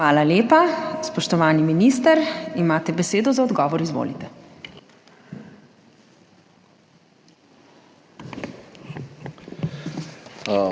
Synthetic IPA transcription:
ʋaːlaljeːpaspɔʃt̪ɔʋaːniminiːst̪əɾimaːt̪ɛbɛseːd̪ɔzaɔd̪ɡɔːʋɔɾizʋo̰ːlit̪ɛ

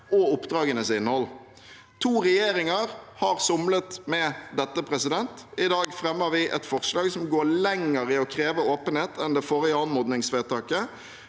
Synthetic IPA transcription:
ɔʊpd̪ʁɑːɡənəsɪnːhɔl | t̪ʰuːʁɛjeːɾɪŋɑʁhɑːʁsʊmlət̪mɛd̪ɛt̪ːəpʰɾɛsɪd̪ɛnt̪ɪd̪ɑːɡfɾɛmːəʋɪʔɛ̰t̪fɔʁslɑːɡsɔmɡoːɾlɛŋəʁɪɔkʰɾeːʋəoːpənheːt̪ɛnd̪ɛfoːɾəɪɑnmɔd̪nɪŋsʋeːt̪ʰɑːkə

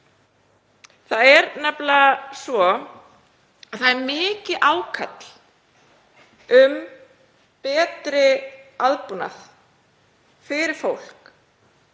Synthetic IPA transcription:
θaðɛɾnɛplasvɔ | aðθaðɛɾmɪːcɪðʔaːwkʰat̪l | ʏm | pɛːt̪ɾɪaðpuna̰θ | fɪɾɪɾ̥fowl̥k

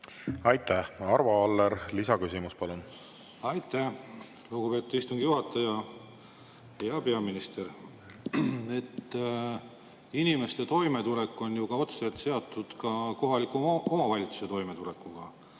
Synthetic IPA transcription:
ɑjt̪ˑːæhɑɾvɑɑlːeɾlisɑkysimuspɑlun | ɑjt̪ːˑæh | luɡ̥upe̞ːt̪ːˑud̪̥ist̪uŋɡ̥ijuɦɑt̪ːˑɑjɑ | jɑpe̞ɑminist̪e̞r | e̞t̪ː | inime̞st̪e̞t̪o̞jme̞t̪ule̞kːˑo̞njukɑo̞t̪selt̪se̞ɑt̪ːˑud̪̥kɑko̞ɦɑlikːˑuo̞mɑvɑlʲit̪su̥se̞t̪o̞jme̞t̪ule̞kːˑuɡ̥ɑ

